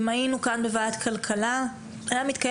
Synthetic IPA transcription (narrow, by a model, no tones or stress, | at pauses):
mainukanbe̞vaat̪kʰalkʰala | ajamit̪kaj